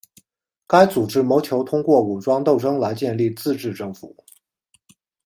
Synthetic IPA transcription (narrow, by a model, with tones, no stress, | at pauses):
ka˥ɪt͡su˨˩ʈ͡ʂɻ̩˥mo˧˥ʊt͡ɕʰjo˧˥ʊt̪ʰʊ˥ŋkwɔ˥˩u˨˩ʈ͡ʂwɑ˥ŋt̪o˥˩ʊʈ͡ʂɤ˥ŋla˧˥ɪt͡ɕjɛ˥˧nli˥˧t͡sɹ̩˥˧ʈ͡ʂɻ̩˥˧ʈ͡ʂɤ˥˩ŋfṵ˨˩˦